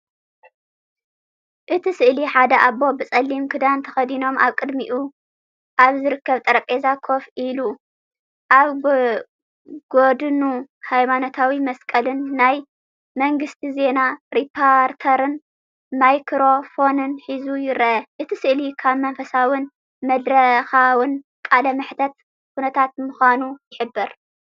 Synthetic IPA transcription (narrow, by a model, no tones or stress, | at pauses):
ʔɨt̪ʰisɨʔliħad̪ɐʔabo̞bɨt͡sʼɐlːimkʰɨd̪ant̪ʰɐxɐd̪ino̞mʔa̰βkʼɨd̪miʔu | ʔaβzɨɾɨkːɐβt̪ʼɐɾɐpʼezakʰo̞fʔilu | ʔaβ | ɡ̥od̪ɨnuhajmano̞t̪ʰawimɐskʼɐlɨnːaj | mɐŋɡɨst̪ʰize̞naɾipʰːoɾt̪ʰɐɾɨn | majkʰɾo̞fo̞nɨnħizujɪɾɐʔɐʔɨt̪ʰisɨʔlikʰaβmɐnfɐsawɨn | mɐd̪ɾɐxawɨn | kʼalɐmɨħt̪ʰɐt̪ | kunɐt̪ʰat̪̚muxanujɪħɨbːɨɾ